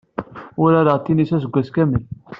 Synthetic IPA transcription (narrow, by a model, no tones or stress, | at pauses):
ʊɾæɾəʁt̪ːinisæs̬əɡʷːæskæməl